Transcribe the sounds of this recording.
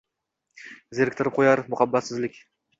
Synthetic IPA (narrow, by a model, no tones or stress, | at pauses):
zeɾkʲt̪ʰɪɾɪp̚qʰojɑɾmʊχabːat̪sɪzlɪkʲ